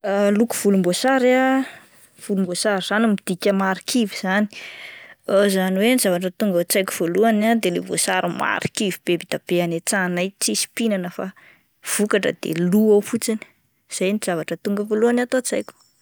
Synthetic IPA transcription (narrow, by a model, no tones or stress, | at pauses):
alukuv̥ulumbosaɾa | v̥ulumbosaɾiz̥animid̪̥ikʲəmaɾikʰiviz̥ani̥ | azaniwenizavaʈ͡ʂət̪uŋɡət͡sajku̥v̥oluanad̪elevo̰saɾima̰ɾikivib̥ebid̪̥ab̥eanet͡sanajt͡sisi̥pinanəfa | v̥ukaʈ͡ʂə̰d̪̥ḛluawfut͡sini̥ | z̥ajniz̥avaʈ͡ʂət̪uŋɡəvoluanat̪ot͡sajkʲu̥